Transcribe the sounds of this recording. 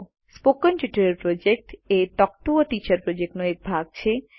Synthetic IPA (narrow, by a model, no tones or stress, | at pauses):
spokonʈuʈaɾeɾpɾod͡ʑek̚ʈeʈɔk̚ʈuoʈit͡ɕaɾpɾod͡ʑek̚ʈnoek̚bʱaɡ̚t͡ɕʰe